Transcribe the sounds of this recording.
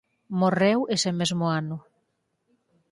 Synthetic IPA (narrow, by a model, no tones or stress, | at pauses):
morewesemezmoanʊ